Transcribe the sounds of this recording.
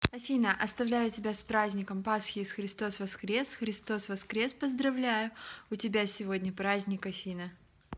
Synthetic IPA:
ɐfʲinəʔɐst̪ɐvlʲæjʊtʲɪbʲaspɾazʲnʲɪkəmpasxʲɪːsxɾʲɪst̪o̞svɐskɾʲe̞sxɾʲɪst̪o̞svɐskɾʲe̞spəzd̪ɾɐvlʲæjʊʊtʲɪbʲasʲɪvo̞dʲnʲəpɾazʲnʲɪkɐfʲinə

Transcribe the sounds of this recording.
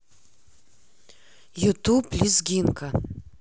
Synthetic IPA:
jut̪upːlʲizɡʲinkʰa

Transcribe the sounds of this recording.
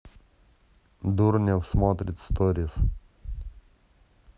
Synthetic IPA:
d̪ʊɾnʲɛwsmoːt̪ʲɾʲɪt̪ʲst̪ɔɾʲɪs

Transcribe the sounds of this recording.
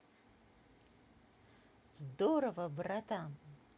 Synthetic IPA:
zd̪oɾɐvɐbrat̪a

